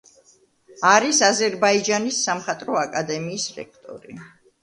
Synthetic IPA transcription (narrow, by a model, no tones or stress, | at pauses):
aɾisazɛɾbaid͡ʒanisːamχat̪ʼɾɔakʼad̪ɛmiːsɾɛ̰k̚ʰt̪ʼɔ̰ɾḭ